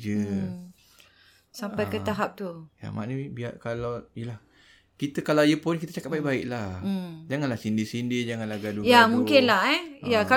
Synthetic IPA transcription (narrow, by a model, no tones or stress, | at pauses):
d͡ʒə | sampajkət̪aɦap̚t̪uja̰ma̰ʔnəbiaʔkalawjəlah | kit̪əkalawjəpʊnkit̪ət͡ʃakat̚baiʔ̚baiʔlah̩d͡ʒaŋanlahsindisindid͡ʒaŋanlahɡadujamũŋkɪnlaɦɛjaka